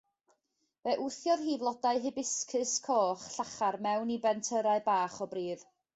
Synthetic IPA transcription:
vɛʔʊθjɔðɦiːvlˠɔdaɨɦɨbɪskʰɨskʰoːχɬaχarmɛwnibɛntʰəɾaɨbaːχɔbriːð

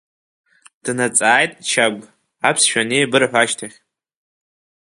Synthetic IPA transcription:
d̥nat͡sʼaːjtʼt͡ʃʰaɡʷ | apʰsʃᶣanebɨrħʷaʃtʰaχʲ

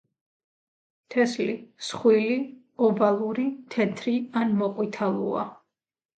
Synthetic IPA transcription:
t̪ʰɛslisχwili | ɔbalˠuɾit̪ʰɛt̪ʰɾianmɔqʼwit̪ʰalˠṵa̰

